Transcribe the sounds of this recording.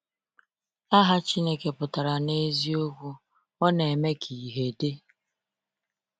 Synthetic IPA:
a˦ɦa˦t͡ʃi˦ne˦ke˨pʊ˨ta˨ɾa˨ne˦zi˦o˦ɡʷu˦ | ɔ˦ne˨e˨me˦kʰi˨ɦe˨de˦

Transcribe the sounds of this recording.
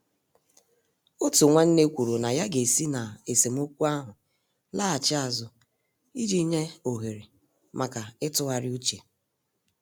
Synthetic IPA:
o˦tu˨ŋʷa˦n̩˦ne˦kʷu˨ɾu˨na˨ja˦ɡe˨si˦na˨e˨se˨m̩˦o˦kʷu˦a˦ɦʊ˨ | la˦a˨t͡ʃɪ˦a˨zʊ˨ | i˦d͡ʒi˦ɲe˦o˨ɦe˨ɾe˨ | mʔa˨ka˨ɪ˦tʊ˦ɣa˨ɾɪ˦u˦t͡ʃe˨

